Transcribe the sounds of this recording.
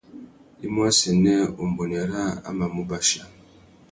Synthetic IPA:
i˦mwa˦sɛ˨nɛ˦u˨m̩˨bɔ˨n˨a˨ɾa˦a̰˦ma˨mu˦ba˦ʃa˨

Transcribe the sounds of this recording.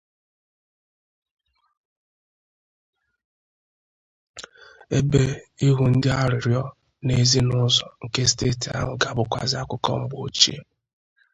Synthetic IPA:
e˦be˦i˦ɦʊ˨n̩˦dɪ˦a˦ɾɪ˨ɾjɔ˦ | ne˦zi˦nʊ˦zɔ˨ŋ̩˨ke˦ste˦˨ti˨a̰˦ŋʷʊ˨ɡa˨bʊ˦kʷa̰˦zɪ˦a˦kʷʊ˦kɔ̰˦m̩˦bo˦t͡ʃi˦e˦

